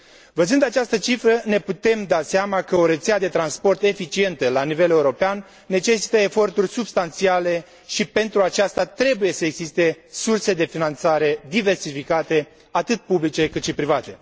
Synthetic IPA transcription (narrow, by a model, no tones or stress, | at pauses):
vəzɨnd̪at͡ʃast̪ət͡ʃifɾəne̞put̪e̞md̪aseamakəoɾet̪sead̪e̞t̪ɾanspo̞rt̪e̞fit͡ʃie̞nt̪əlanive̞le̞uɾo̞peanː | e̞t͡ʃe̞si̥t̪əe̞fo̞rt̪urʲsubst̪ant̪siale̞ | ʃipe̞nt̪ɾuat͡ʃast̪at̪ɾe̞buje̞səe̞ɡzist̪e̞surse̞d̪e̞finant̪saɾe̞d̪ive̞rsifikat̪e̞ | at̪ɨt̪̚publit͡ʃe̞kɨt̪ʃipɾivat̪e̞